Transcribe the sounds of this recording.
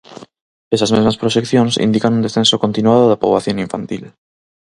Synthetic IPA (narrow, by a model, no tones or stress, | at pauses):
esazmezmaspɾoʃekθjõnsḭnd̪ikanũnd̪esθensokont̪inuaðoðapoβaθjoŋiɱfant̪il